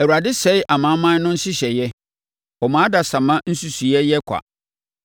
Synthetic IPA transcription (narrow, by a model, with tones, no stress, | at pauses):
æ˨u˨ɾa˨dɪ˦sɛ˦ɪ˦ʔa˨mã˨˦mã˦n˦nʊ̃˦n̩˦sɪ˦ɕɛ˨jɛ˦ | ɔ˨mã˨˦da˨sã˨mã˦n̩˦su˦su˨jɛ˦jɛ˦kʷʰa̰˨